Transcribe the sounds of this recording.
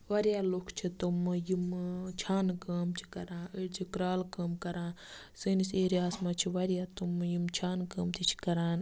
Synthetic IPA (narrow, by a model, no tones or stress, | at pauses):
ʋɐɾjaːlokʰt͡ʃʰit̪umjimt͡ʃʰaːnkəːmt͡ʃʰi̥kɐɾãːʔiɽt͡ʃʰikɾaːlkɐmkɐɾãː | sɨniseːɾiaːsmat͡ʃʰiʋɐɾjaːt̪umjimt͡ʃʰaːnkɐːmt̪ʰit͡ʃʰi̥kɐɾaːn